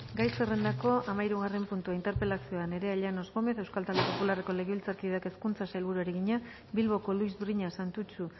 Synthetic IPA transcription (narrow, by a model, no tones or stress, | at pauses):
ɡajsere̞nd̪ako̞amaiɾuɣ̞are̞mpunt̪uaint̪e̞ɾpe̞lasio̞ane̞ɾe̞aʎano̞zɣo̞me̞θe̞wskalt̪ald̪epo̞pulare̞ko̞le̞ɣeilt͡saɾkiðake̞skunt͡sasajlβuɾuaɾeɣiɲa | bilβ̞o̞ko̞luizbɾiɲasant̪ut͡ʃu